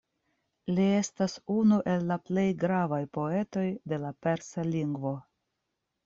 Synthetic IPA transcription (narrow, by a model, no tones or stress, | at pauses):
lie̞stasunuʔe̞lːaple̞jɡɾavajpo̞e̞to̞jde̞lape̞ɾsaliŋɡvo̞